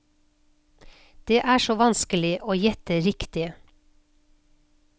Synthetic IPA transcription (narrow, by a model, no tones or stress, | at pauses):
d̪̥eːʔæːʃoːʋɑnskəlɪʔoːjɛt̪əɾɪkt̪ɪ